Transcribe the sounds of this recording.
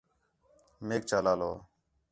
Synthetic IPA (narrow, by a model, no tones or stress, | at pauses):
meːk̚t͡ʃaːlaːloː